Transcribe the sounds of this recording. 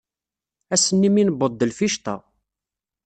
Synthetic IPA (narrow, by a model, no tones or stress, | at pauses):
æsənːiminəbəd̪ːəlfiʃt̪ɑ̰